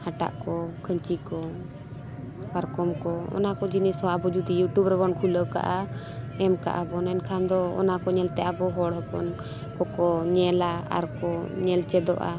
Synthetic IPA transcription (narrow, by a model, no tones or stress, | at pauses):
haʈa̰ʔkɔkʰəɲt͡ʃikɔ | kaɾkɔmkɔɔ̰nakɔd͡ʒinɛsɔabɔd͡ʒud̪ijuʈjubɾɛbɔnkʰuləka̰ʔa | ɛmka̰ʔabɔnɛnkʰand̪ɔɔ̰nakɔɲɛlt̪ɛʔabɔɦɔɽɦɛpɔ̰n | kɔkɔɲɛlaa̰ɾkɔɲɛlt͡ʃɛd̪ɔ̰ʔa̰